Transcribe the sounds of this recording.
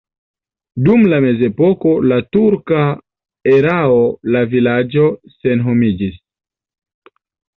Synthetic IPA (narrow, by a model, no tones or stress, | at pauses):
dumlame̞ze̞po̞ko̞latuɾka | eɾaolavilad͡ʒo̞se̞nɦo̞mid͡ʒis